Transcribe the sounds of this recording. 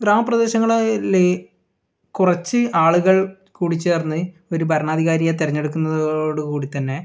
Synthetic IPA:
ɡɾaːmɐprɐd̪e̞ːɕɐŋːɐɭle | kurɐt͡ɕːɨʔaːɭuɣɐɭ | kuːɽit͡ɕːe̞ːrnːɨ | o̞ɾubʱɐɾɐɳaːd̪ʱiɣaːɾijet̪iɾɐɲːe̞ɽukːunːɐðoːɽɨkuːɽit̪ːɐnːe̞

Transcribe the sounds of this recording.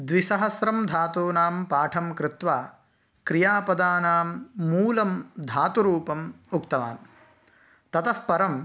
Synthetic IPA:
d̪ʋiʃɐɦɐsɾɐmd̪ʱaːt̪uːnaːmpaːʈʰɐmkɾɪt̪ʋaː | kɾijaːpɐd̪aːnaːmːuːlɐmd̪ʱaːt̪uɾuːpɐmukt̪ɐʋa̰ːn | t̪ɐt̪ɐfpɐɾɐm

